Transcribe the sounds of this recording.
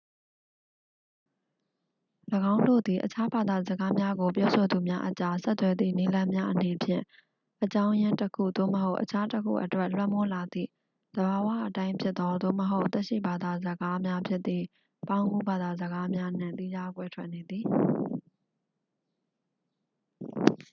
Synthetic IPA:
ləɡã˦ʊ̃ndo̰˦˨d̪i˨ʔət͡ɕʰa˦ba˨d̪a˨zəɡa˦mja˦ɡo˨p̬jɔ˦so˨d̪u˨mja˦ʔət͡ɕa˦sɛ˦t̪t̪ːwɛ˨d̪ðḭ˦˨ni˦lã˦mja˦ʔəne˨pʰjɪ̰̃˦˨ | ʔət͡ɕã˦ʊ̃jɪ̃˦ntəkʰṵ˦˨d̪o̰˦˨məɦo˦ʊʔət͡ɕʰa˦təkʰṵ˦˨ʔətwɛ˦ʔlwɛ˦˨mɔ˦la˨d̪ðḭ˦˨ | d̪̥əba˨wä̰˦˨ʔətã˦ɪ̃mpʰjɪ˦t̪t̪ːɔ˦d̪o̰˦˨məɦo˦ʊʔt̪ɛ˦ʔʃḭ˦˨ba˨d̪a˨zə˨ɡa˦mja˦pʰjɪ˦t̪̚ːḭ˦˨ | pã˦ʊ̃ŋɡu˦ba˨d̪a˨zəɡa˦mja˦n̥ɪ̰̃˦˨t̪i˦d͡ʑa˦kwɛ˦tʰwɛ̰˦ʔne˨d̪ði˨

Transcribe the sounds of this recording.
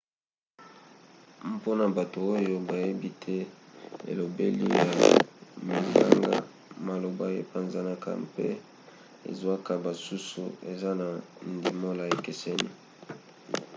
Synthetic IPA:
mpo˦na˨ba˨to˨o˦jo˦ba˨je˦bi˦tʰɛ˦ḛ˨lo˨bḛ˦lḭ˦ja˨mi˨ŋɡa̰˦ŋɡa̰˦ | ma˨lo˨ba˦je˦pa˨nza˦na˦ka̰˦mpḛ˦ | ḛ˨zwa˦ka˨ba˨su˦sṵ˨e˨za˦na˨ndi˨mo˦la˨e˨kɛ˨sɛ˦nḭ˦

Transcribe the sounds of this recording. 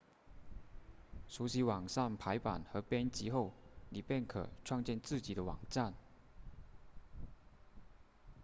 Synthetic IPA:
ʂu˧˥ɕi˧˥wɑ˨˩ŋʂa˥˩npʰa˧˥ɪpa̰˨˩nxɤ˧˥pjɛ˥nt͡ɕi˧˥xo˥˩ʊni˨˩pjɛ˥˩nkʰɤ̰˨˩ʈ͡ʂʰwɑ˥˧ŋt͡ɕjɛ˥˧nt͡sɹ̩˥˩t͡ɕi˨˩d̪ə˦wɑ̰˨˩ŋʈ͡ʂa˥˩n

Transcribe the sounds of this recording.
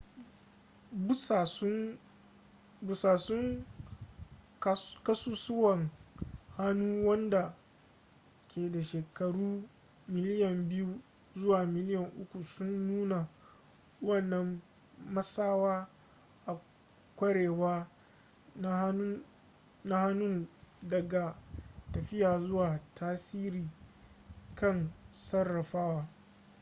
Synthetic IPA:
bʊ˦sa˨s | bʊ˨saː˨sʊ˦ŋ˦ | kɐ˦suː˦sʊ˦wɐ˨ŋha˦nuː˦wɐ˦nda˨ | kʰʲeː˨da˨ʃeː˨kɐ˨ɽuː˦ | mɪ˦lɪ˦jɐ˨mbɪ˦ju˦ | zʊ˦waː˨mɪ˦lɪ˦jɐ˨ŋʔʊ˦kʷu˨sʊ˦nːuː˦na˨ | wɐ˦˨nːɐ˦mː | ɐ˦saː˦waː˦ | ʔa˨ | kʷɐ˦ɽeː˨waː˦ | na˦ | na˦ha˦nʊ˦ndɐ˨ɡa˨tɐ˨ɸɪ˦jaː˨zʊ˦waː˨tʰaː˦siː˦ɾiː˨ | kɐ˦˨nsɐ˦rːɐ˨ɸaː˦waː˦

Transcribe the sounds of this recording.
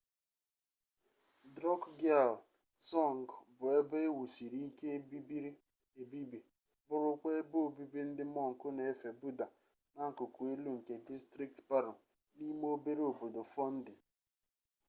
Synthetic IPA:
dɾɔ˦kɡa˦˨l | sɔ˦˨ŋ˨ɡbʊ˨e˦be˦wu˨si˨ɾi˦ke˦ | e˨bi˦bi˨ | bʊ˦ɾʊ˦ke˦e˦bo˦o˦˨bi˦bi˦n̩˦dɪ˦mɔ˦ŋ̩˨kʊ˦ne˨˦˨fe˨bu˦da˨ | na˦ŋ̩˨kʊ˨ku˨e˦lu˦ŋ̩˨ke˨di˦stɾi˦k̚tpa˦ɾʊ˨ | ni˦m˦o˦be˦ɾe˦o˨bo˨do˨fɔ˦n̩˦dɪ˨

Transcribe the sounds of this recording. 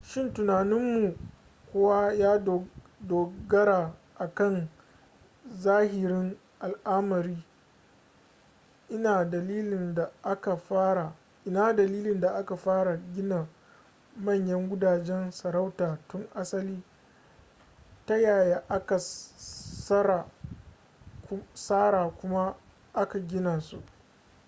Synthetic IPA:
ʃɪ˦ntʊ˨naː˨nɪ˦mːu˨ | kʷʊ˦wa˦jaː˦˨ | doː˨ɡɐ˦ɾa˨ʔa˨kɐ˦˨n | zaː˦hɪ˨ɾɪ˦ŋ | ʔa˨lʔa˦mɐ˨ɾiː˦ | ʔɪ˦naː˨dɐ˨liː˦lɪ˨nda˨ʔa˦ka˨ɸaː˦ɾa˨ | ʔɪ˦naː˦dɐ˨liː˦lɪ˨nda˨ʔa˦ka˨ɸaː˦ɽa˨ɡʲɪ˦naː˨ | mɐ˦˨ɲjɐ˦ŋɡʷʊ˦daː˨d͡ʒɛ˦nsɐ˨ɾa˦wtaː˨tʊ˦ŋʔa˦sɐ˦liː˦ | ta˦jaː˨jaː˦ʔa˦ka˨ | sa˦ɾa˨ | saː˦ɽaː˨kʷʊ˦ma˦ | ʔa˦ka˨ɡʲɪ˦naː˨sṵ˦ʔ

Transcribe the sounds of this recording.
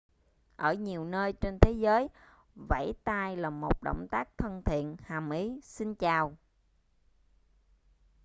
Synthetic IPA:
ʔəː˧˩ɲi˨˩əwnəː˧jt͡ɕe˧nt̪ʰe˨˦zəː˨˦j | va̰˧˩jt̪aː˧jlaː˨˩mo˨˩t̚ɗo̰˧˨wŋ͡mt̪aː˦˥k̚t̪ʰə˧nt̪ʰḭ˧˨ənhaː˨˩mʔi˨˦si˧nt͡ɕaː˨˩w

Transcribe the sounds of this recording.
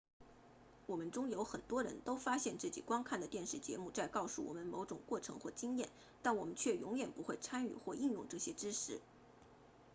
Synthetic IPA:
wɔ˨˩mə˦nʈ͡ʂʊ˥ŋjo˧˥ʊxə˨˩nt̪wɔ˥ɻə̰˧˥nt̪o˥ʊfa˥ɕjɛ˥˧nt͡sɹ̩˥˩t͡ɕḭ˨˩kwɑ˥ŋkʰa˥˩nd̪ə˩t̪jɛ˥˧nʂɻ̩˥˩t͡ɕjɛ˧˥mu˥˧t͡sa˥˧ɪkɑ˥˧ʊʂu˥˩wɔ̰˨˩mə˦nmo˧˥ʊʈ͡ʂʊ˨˩ŋkwɔ˥˩ʈ͡ʂʰɤ̰˧˥ŋxwɔ˥˩t͡ɕi˥ŋjɛ˥˩n | t̪a˥˩nwɔ˨˩mə˦nt͡ɕʰɥɛ˥˩jʊ˧˥ŋjɛ˨˩npu˧˥xwe˥˩ɪt͡sʰa˥ny̰˨˩xwɔ˥˧i˥˧njʊ̰˥˧ŋʈ͡ʂɤ˥˩ɕjɛ˥ʈ͡ʂɻ̩˥ʂʰɻ̩˧˥

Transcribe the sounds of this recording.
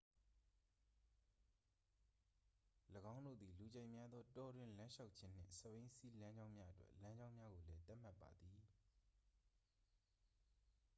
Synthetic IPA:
ləɡã˦ʊ̃ndo̰˦˨d̪i˨lu˨d͡ʑẽ˨ɪʔmja˦d̪ðɔ˦tɔ˨dwɪ̃˨lã˦ʃa˦ʊʔ̚t͡ɕʰɪ̃˦n̥ɪ̰̃˦˨sə˨bẽ˦si˦lã˦ɲd͡ʑã˦ʊ̃mja˦ʔə˦twɛ̰˦ʔlã˦ɲd͡ʑã˦ʊ̃mja˦ɣo˨lɛ˦t̪a˦ʔm̥a˦˨pːa̰˨d̪ði˨

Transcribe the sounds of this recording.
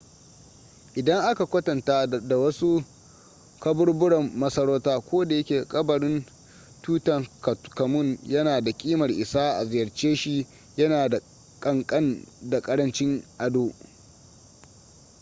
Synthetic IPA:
ʔɪ˨dɐ˦ŋʔa˦ka˨kʷɐ˦tɐ˨nta˦da˨wɐ˦su˦ | kɐ˦bʊ˦rbʊ˦ɽɐ˨mːɐ˦sɐ˦ɾoː˦taː˦kʷoː˦da˨jɐ˦kʲeː˨kʼɐ˦bɐ˨ɽɪ˦n | tuː˦tɐ˨ŋkɐ˨kɐ˨mʊ˦˨njɐ˦naː˨da˨kʲʼiː˦mɐ˨rʔɪ˨saː˦ʔa̰˨zɪ˨jɐ˨rt͡ʃeː˦ʃi˦ | jɐ˦naː˨da˨ | kʼɐ˦˨ŋkʼɐ˦nda˨kʼɐ˦ɽɐ˦nt͡ʃɪ˦ŋʔa˨doː˦

